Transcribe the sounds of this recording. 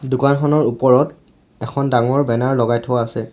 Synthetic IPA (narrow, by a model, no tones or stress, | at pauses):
dukanxʰɔnɔɹupɔɹɔt | ɛkʰɔndaŋɔɹbɛnaɹlɔɡajtʰowaːsɛ